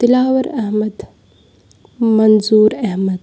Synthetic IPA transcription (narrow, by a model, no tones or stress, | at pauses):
t̪ɪlaːʋɐɾɐɦmɐd̪ | mɐnzuːɾɐɦmɐd̪